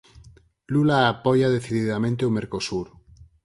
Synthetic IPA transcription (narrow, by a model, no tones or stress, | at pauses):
lulaːpoʝaðe̞θiðiðamẽnt̪eume̞ɾkosuɾ